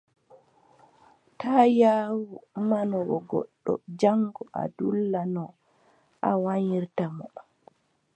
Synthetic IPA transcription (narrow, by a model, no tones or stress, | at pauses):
tʰaːjaːwumanɔwɔɡɔ̰ɗːɔ̰d͡ʒaŋɡɔʔa̰dulːanɔ | ʔawaɲiɾtamɔɗ